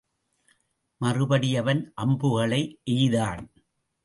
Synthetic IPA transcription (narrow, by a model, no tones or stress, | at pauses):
mɐrɯbɐɽɪjɐʋɐnʔɐmbɯɣɐɭɐɪʔijðaːn